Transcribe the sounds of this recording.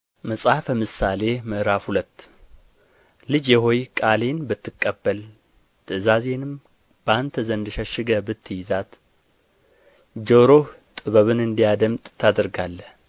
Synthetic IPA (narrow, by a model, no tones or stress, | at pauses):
məsʼafəmɨsale̞məʔɾafhulət̪ː | lɨd͡ʒjɛɦo̞jkʼale̞nbɨt̪ːɨkʼːəbːəl | t̪ʰɨzazenɨm | b̥ant̪ʰəzənd̪ɨʃəʃɪɡəbɨt̪ʰːɨjɪzat̪ | d͡ʒoɾo̞t̪ʼɨβəβɨnɨnd̪ijad̪əmt̪ʼt̪ʰːad̪əɾɡalːəh